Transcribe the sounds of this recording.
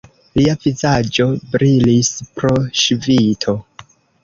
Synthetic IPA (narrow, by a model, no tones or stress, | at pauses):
liavizad͡ʒo̞bɾilispɾoʃvitʰo̞